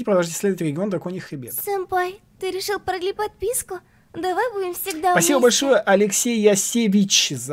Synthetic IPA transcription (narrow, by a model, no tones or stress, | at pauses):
ɪpɾəd̪ɐlˠʐitʲɪsʲlʲed̪ət̪ʲɪɾʲɪɡʲɪo̞nt̪ɐkojnʲɪxɾʲɪbʲet̪sɐmpaj | t̪ɨɾʲɪʂɨlˠpɾɐɡlʲipɐt̪̚pʲiskʊ | d̪ɐvajbudʲɪmfsʲɪɡd̪apɐibəbɐlʲʂo̞jəʔɐlʲɪksʲejːɐsʲevʲit͡ɕz